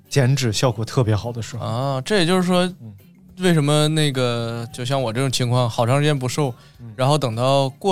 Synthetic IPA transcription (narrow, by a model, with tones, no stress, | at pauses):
t͡ɕjɛ˧˥nʈ͡ʂɻ̩˨˩ɕjɑ˥˩ʊɡwɔ˨˩t̪ʰɤ˥˩pjɛ˧˥xɑ˨˩ʊd̪ə˦ʂɻ̩˥˩ə˥˧ʈ͡ʂɤ˥˩jt͡ɕjo˥˧ʊʂɻ̩˥˩ʂwɔ˥ | we˥˩ɪʂə˧˥nmə˧na˥˩ɪɡə˩t͡ɕjo˥˧ʊɕjɑ˥˩ŋwɔ˨˩ʈ͡ʂɤ˥˩ʈ͡ʂʊ˨˩ŋt͡ɕʰi˧˥ŋkʰwɑ˥˩ŋxɑ˨˩ʊʈ͡ʂʰɑ˥ʂɻ̩˥˩t͡ɕjɛ˥np̬u˧˥ʂo˥˩ʊ | ɻa˧˥nxo˥˩ʊt̪ɤ˨˩ŋt̪ɑ˥˧ʊkwɔ˥˩